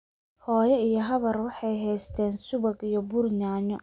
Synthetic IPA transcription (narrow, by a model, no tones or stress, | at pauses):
hɔːjɛijɔɦɐβɐrwɑħɑjɦɛjst̪ʰɛːnsʊβɐɡijɔbʊrɲaːɲɔ